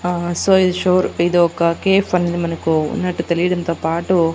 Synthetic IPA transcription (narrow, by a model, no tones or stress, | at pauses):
soːid̪uʃoːɾid̪uɔkːɐkeːfɐnːɐd̪mɐnɐkːunɐʈːut̪eliʈɐnt̪ɐpaːʈu